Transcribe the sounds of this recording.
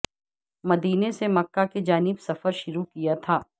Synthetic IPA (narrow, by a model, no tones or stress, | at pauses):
mɐd̪iːnesemɐkːaked͡ʒaːnɪbsɐfəɾʃʊɾukijat̪ʰaː